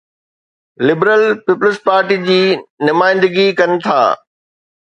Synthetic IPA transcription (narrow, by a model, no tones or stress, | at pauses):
lɪbɾəlpiːpləspaːɾʈid͡ʑiːnʊmaːɪ̃nd̪əɡikɐnɪ̆t̪ʰa̰ː